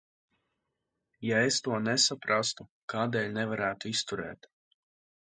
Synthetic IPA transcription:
jaest̪uɔnɛsapɾast̪ukaːd̪ɛːʎʲnɛvaɾæːt̪uist̪uɾɛ̰ːt̪

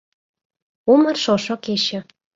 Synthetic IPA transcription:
umə̆rʃoʃokeʃə̆

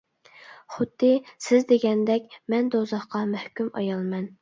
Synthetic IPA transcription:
χʊd̪ːɨsɪzd̪eɡʲɛnd̪ɛkʲmɛnd̪ozɑχqɑmæhkʲymɑ̰jɑlˠmɛn

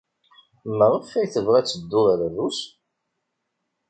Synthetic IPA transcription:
məɾˤəfæjθəvʁæt͡sːəd̪ːʊðɾæðus

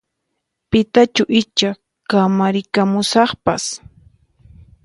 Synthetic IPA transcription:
pɪt̪at͡ʃʊʔɪt͡ʃa | kamaɾɪkamʊsɑχpas

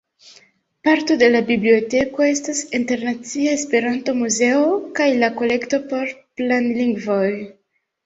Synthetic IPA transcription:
paɾto̞de̞labiblio̞te̞ko̞e̞stasinte̞ɾnat͡siaespe̞ɾanto̞muze̞okajlako̞le̞kto̞po̞ɾplanliŋɡvo̞j

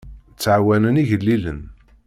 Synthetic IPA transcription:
t͡sːʕawænəniʝəlːilən

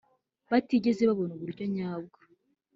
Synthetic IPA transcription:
βatiɟe̞zeβaβo̞nuβuɾɟo̞ɲaːb̚ɡḁ

